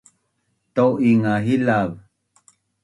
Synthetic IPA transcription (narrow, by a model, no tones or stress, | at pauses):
t̪owiŋaɦilav